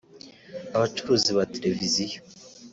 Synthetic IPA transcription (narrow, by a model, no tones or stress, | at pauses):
aβat͡ʃuɾuːziβateɾe̞vizijo